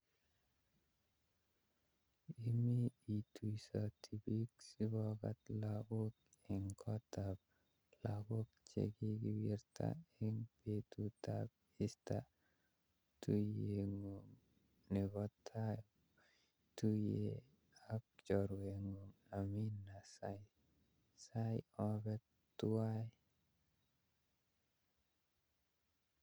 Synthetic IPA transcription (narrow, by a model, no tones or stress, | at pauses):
imiitusatʰibiksibɔɡa̰t̪laɡuk̚ | iŋkʰɔtab̚ | laɡuk̚t͡ʃḛɡiɡiwiɾtʰa̰iŋpetuta̰p̚ | ista | t̪ujeŋuŋ | nɛβɔt̪ʰa | tuje | ak̚t͡ʃɔɾweŋuŋaminasa | sajɔbɛt | t̪uaj